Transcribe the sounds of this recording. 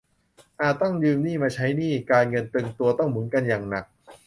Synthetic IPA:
ʔaː˨˩t̪̚ːɔ˥˩ŋjɯː˧mniː˥˩maː˧t͡ɕʰa˦˥jniː˥˩kaː˧nŋɤ˧nt̪ɯ˧ŋt̪u˧ɐt̪ɔ˥˩ŋmɯ˩˦ənka˧njaː˨˩ŋna˨˩k̚

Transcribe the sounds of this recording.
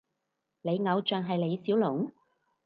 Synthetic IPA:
le˨˧jŋɐ˨˧wt͡ʃœː˨ŋɦɐ˨jle˨˧jsiː˨˥wlʊ˨˩˦ŋ

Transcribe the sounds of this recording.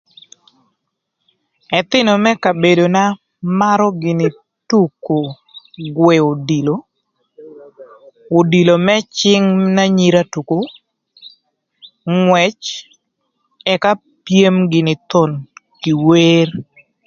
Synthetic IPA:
ɛ˨t̪ɪ˦no˨mɛ˦ka˨be˨do˨na˦ | ma˦ɾɔ˦ɡɪ˨nɪ˨ | tu˦ko˨ | ɡwɛ˨o˨di˨lo˨ | o˨di˨lo˨mɛ˦t͡ʃɪ˦ŋna˦ɲi˨ɾa˦tu˨ko˨ | ŋwɛ˨t͡ʃ | ɛ˨ka˦ | pje˦mɡɪ˨nɪ˨t̪o˨nki˨we˦r

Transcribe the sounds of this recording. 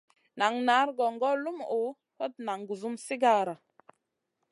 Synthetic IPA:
na˨ŋna˨˦ɾɡɔ˨ŋɡɔ˦lu˦mo˨˦ | hɔ˦t̚na˨ŋɡu˨zu˦msi˦ɡa˦˨ɾa˨

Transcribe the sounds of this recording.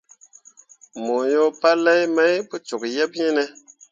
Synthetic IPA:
mo˨jo˦pa˦lɛ˦jma˦jpu˦t͡ʃu˨k̚jɛ˦p̚ji˦nɛ˦

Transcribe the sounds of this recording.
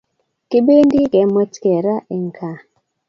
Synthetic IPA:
ke˦be˦ndi˦kɛ˨˦mɔ˦tkɛ˨ɾa˦ʔe˨ŋ˨kʰa˨

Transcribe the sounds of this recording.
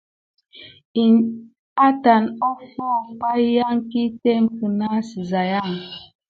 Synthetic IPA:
i˨ | a˦ta˨nɔ˦fɔ˦˨k͡pa˦ja˦ŋ˦ki˦te˦m˦kə˨na˦si˨za˨ja˦˨ŋ

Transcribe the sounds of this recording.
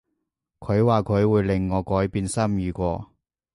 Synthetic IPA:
kʰɵ˨˧ɥwaː˨kʰɵ˨˧ɥwuː˨˧jlɪ˨˩ŋːɔː˨˧kɔː˨˥jpiː˧nsɐ˥mjyː˨˧kʷɔː˧

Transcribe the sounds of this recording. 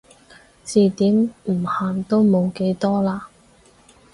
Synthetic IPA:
t͡siː˨˧t̪iː˨˥mm̩˨˩haː˨˩nt̪o˥wmo˨˧wke˨˥jt̪ɔː˥laː˧

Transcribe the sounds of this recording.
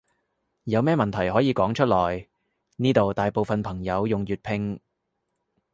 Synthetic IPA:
jɐ˨˧wmɛː˥mɐ˨nt̪ʰɐ˨˩jɦɔː˨˥jiː˨˧kɔː˨˥ŋt͡ʃʰɵ˥t̚lɔː˨˩j | niː˥t̪o˨wt̪aː˨jpo˨wfɐ˨npʰɐ˨˩ŋjɐ˨˧wjʊ˨ŋjyː˨t̚pʰɪ˧˥ŋ

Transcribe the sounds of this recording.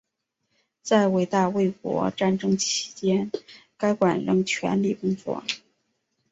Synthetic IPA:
t͡sa˥˩ɪwe˨˩ɪt̪a˥˧we˥˩ɪk̚wɔ̰˧˥ʈ͡ʂa˥˩nʈ͡ʂɤ˥ŋt͡ɕʰi̥˧˥t͡ɕjɛ˥nka˥ɪkwa˨˩nɻɤ˧˥ŋt͡ɕʰɥɛ̰˧˥nli˥˩kʊ˥ŋt͡swɔ̰˥˩

